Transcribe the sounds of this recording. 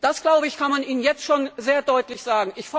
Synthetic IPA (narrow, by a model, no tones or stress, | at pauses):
d̥asɡ̥laʊbəɪçkʰanmanʔiːnənjɛt͡stʃoːnzeːɐdɔʏtlɪçz̥aːɡŋ̩ʔɪçf